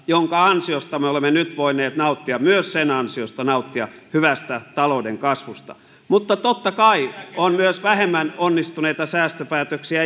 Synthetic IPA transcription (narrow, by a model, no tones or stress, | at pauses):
joŋkɑɑnsiost̪ɑmeolemːenyt̪ʋoinˑeːt̪nɑut̪ːiɑmyøssenɑnsiost̪ɑnɑut̪ːiɑhyʋæst̪æt̪ɑloudeŋkɑsʋust̪ɑ̰ | mut̪ːɑt̪ot̪ːɑkɑionmyøsʋæhemːænonːist̪uneit̪ɑsæːst̪øpæːt̪øksiæ